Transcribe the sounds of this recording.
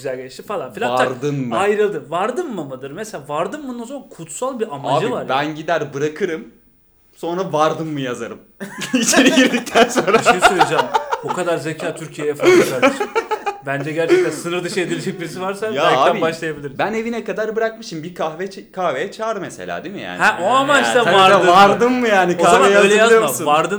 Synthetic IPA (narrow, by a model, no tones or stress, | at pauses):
yzælʲɟeiʃt̪ifalˠanfilʲaaaɾd̪ɯmmajɾɯlˠd̪ɯvaɾd̪ɯmːɯmɯd̪ɯɾmeselʲaːvaɾd̪ɯmbund̪anzamankʰut̪salˠbiamaaːbd͡ʒɯivaɾbænɟid̪æɾbɯɾakʰɯɾɯm | so̞nɾavaɾd̪ɯmːɯjazaɾɯmit͡ʃʰeɾiɟiɾd̪ic̚t̪ʰænso̞nɾaʃaensojiad͡ʒaːmokʰad̪aɾzecʰaːt̪ʰyɾcʰijejɛfaaaʃbænd͡ʒɛɟæɾt͡ʃɛænsɯnɯɾd̪ɯʃɯed̪ilʲed͡ʒɛc̚biɾisivaɾsajaaːbæibaʃlˠajabilʲiɾbæne̞vinɛkad̪aɾbɯɾak̚mɯʃimbikʰahvɛkʰahvejɛt͡ʃʰaːɾd̪ɯmeselʲa̰ːd̪emḭja̰ːnɛʔoamaaavaɾaɯvaɾd̪ɯmːɯjaːnikaavejaajaizˠoauvaɾd̪ɯ